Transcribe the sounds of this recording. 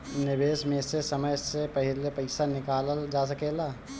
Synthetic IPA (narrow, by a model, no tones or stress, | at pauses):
nɪbeːsmẽsesɐməjsepɐɦɪlepɐɪsanɪkaːləld͡ʒaːs̬əkeːlaː